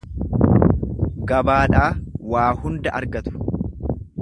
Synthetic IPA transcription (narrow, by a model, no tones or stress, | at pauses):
ɡɐbaːᶑaːwaːhʊnd̪ɐʔɐɾɡɐt̪ʊ̥